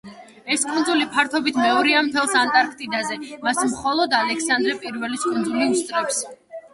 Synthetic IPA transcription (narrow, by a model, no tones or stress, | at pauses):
ɛskʼund̪zulipʰaɾt̪ʰɔbit̪ʰmɛɔɾiamt̪ʰɛlˠsant̪ʼaɾkʰt̪ʼid̪azɛmasmχɔlˠɔd̪alɛkʰsand̪ɾɛpʼiɾvɛliskʼund̪zuliust̪ʼɾɔps